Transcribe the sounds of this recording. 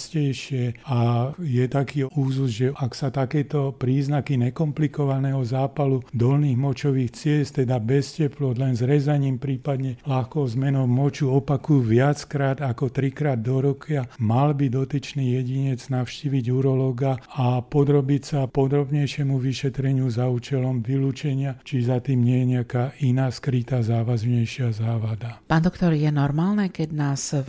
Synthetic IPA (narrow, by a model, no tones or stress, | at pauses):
scɛjʃɪɛajɛt̪akiːuːzzʒɛʔaksat̪akɛːt̪ɔpɾiːznakiɲɛkɔmplikɔʋanɛɦɔzaːpalud̪ɔlniːɣmɔt͡ʃɔʋiːxt͡sɪɛst̪t̪ɛd̪abɛscɛplɔd̪lɛnzɾɛzaɲiːmpɾiːpad̪ɲɛlaxkɔʊzmɛnɔʊmɔt͡ʃuɔpakujuʋɪat͡skɾaːd̪akɔt̪ɾikɾaːd̪ːɔɾɔkʰɪamalbid̪ɔt̪it͡ʃniːjɛɟiɲɛd͡znaʊʃciːʋiɟuɾɔlɔɡaapɔd̪ɾɔbicsapɔd̪ɾɔbɲɛjʃɪɛmuʋiʃɛt̪ɾɛɲɪuzauːt͡ʃɛlɔmʋiluːt͡ʃɛɲɪat͡ʃizat̪iːmɲɛjɛɲɛakaːʔinaːskɾit̪aːzaːʋazɲɛjʃɪazaːʋad̪apaːnd̪ɔkt̪ɔɾjɛnɔɾmaːlnɛkɛɟnaːs